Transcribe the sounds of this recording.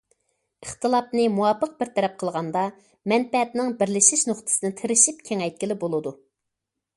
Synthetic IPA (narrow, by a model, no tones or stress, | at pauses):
əχt̪ɨlˠɑpnɨmuwɑpʰəq̚bɪɾt̪ʰɛɾɛp̚qʰəlˠʁɑnd̪ɑ | mɛnpɛɛt̪nɪŋbɪɾlɪʃiʃnoχt̪ʰɨ̥sɨnɪt̪ʰeɾɪʃip̚kʲʰeŋɛjt̪̚kʲilɪbolˠɨd̪u